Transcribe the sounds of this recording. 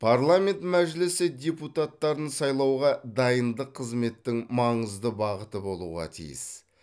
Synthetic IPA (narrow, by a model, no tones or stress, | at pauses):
pʰaɾlˠame̞nt̪mæʒlɪsɪd̪ʲe̞put̪at̪ːɑɾənsɑjlˠɑwʁɑd̪ɑjənd̪əqʰːəzme̞t̪ːɪŋmɑɴəzd̪əbɑʁət̪əbo̞lˠṵʁɑ̰t̪ʰḭjɪ̰s